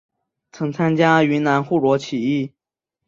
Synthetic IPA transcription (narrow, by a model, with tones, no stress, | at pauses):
t͡sʰɤ˧˥ŋt͡sʰa˥nt͡ɕja˥y˧˥na˧˥nxu˥˩ɻwɔ˧˥t͡ɕʰi˨˩i˥˩